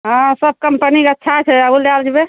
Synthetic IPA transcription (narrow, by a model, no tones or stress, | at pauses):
ɦãsəb̚ʱkəmpənikeətːʃʰat͡ʃʰɛəbulald͡ʒbe